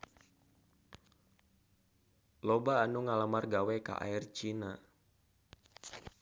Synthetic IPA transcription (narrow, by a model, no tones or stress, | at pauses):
lɔbaːnuŋalamarɡawɛka̰ʔa̰irt͡ʃina